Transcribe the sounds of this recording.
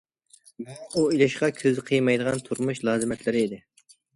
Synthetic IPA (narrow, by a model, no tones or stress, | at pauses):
muuilɪʃqɑkʲʰøzɨqʰijmɑjd̪əʁɑnt̪ʰuɾmuʃlˠɑːzɨmɛt̪lɪɾɪid̪ɪ